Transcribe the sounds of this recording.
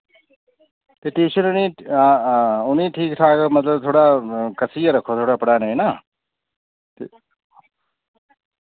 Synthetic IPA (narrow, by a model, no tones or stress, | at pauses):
t̪eʈẽːʃənuni | uniʈʰiːkʈʰaːkʌmɐt̪ləb̚t̪ʰoːɽakɐsijeɾɐkʰot̪ʰoːɽapɐɽaːnɐjnɐ | t̪e